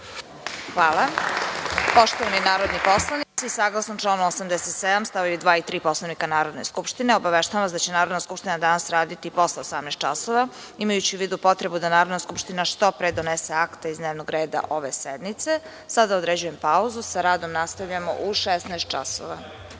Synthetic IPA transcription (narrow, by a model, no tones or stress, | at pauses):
xʋaːla | po̞ʃt̪oʋaninaːɾo̞d̪nipo̞slˠanisiisaɡlˠasnomʈ͡ʂlaːnomosamd̪eset̪sed̪amst̪aʋajud̪ʋaːit̪ɾiːpo̞slˠanikanaːɾo̞d̪ne̞̰skupʃt̪ineo̞baʋeʃt̪aʋamasd̪at͡ɕenaːɾod̪naskupʃt̪inad̪anasɾaːd̪it̪ipo̞sleosamnɛst̪t͡ʃaso̞ʋa | imajut͡ɕiuʋiːd̪upo̞t̪ɾe̞bud̪anaːɾo̞d̪naskupʃt̪inaʃt̪opɾed̪o̞nese̞akt̪eizd̪neʋno̞ɡɾe̞ːd̪a̰ʔo̞ʋe̞sed̪nit̪se̞ | sad̪aod̪ɾed͡ʑujempauzusaɾaːd̪o̞mnast̪avʎamo̰ʔuʃesnaest̪̚t͡ʃa̰so̰ʋa̰